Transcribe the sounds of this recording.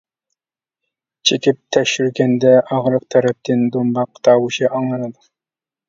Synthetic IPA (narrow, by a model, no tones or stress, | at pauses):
t͡ʃʰekʲip̚t̪ʰɛkʃyɾɡʲɛnd̪ɛʔɑʁɾəq̚t̪ʰæɾɛp̚t̪ɪnd̪ombɑqːt̪ʰɑːwuʃiʔɑŋlˠɑnɨd̪ʊ